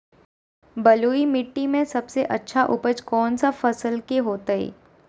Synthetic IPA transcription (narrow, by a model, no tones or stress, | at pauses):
bɐluːimɪʈːimẽsɐbseʔɐtːʃʰaʔʊ̰pət͡ʃkɔːnsafɐsəlkeɦoːt̪aḛː